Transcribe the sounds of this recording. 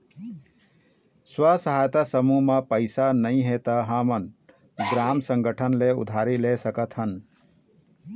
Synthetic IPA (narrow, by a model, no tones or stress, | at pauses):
swəsəɦajt̪asəmumepəɪsanəɪ̃ɦet̪əɦəmən | ɡɾamsə̃ŋɡəʈʰənleṵd̪ʱaɾilesəkət̪ʰɦən